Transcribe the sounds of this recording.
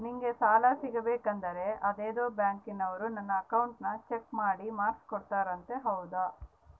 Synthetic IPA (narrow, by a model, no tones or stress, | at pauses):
niŋɡe̞saːlasiɡɐbeːkɐnd̪ɐɾe̞ɐd̪eːd̪o̞ːbjaːŋkinɐʋɐɾunɐnːɐːkɐwuɳʈnɐt͡ʃe̞kmaːɽimaːskkɔɽt̪aːɾɐnt̪e̞ɦɐwd̪a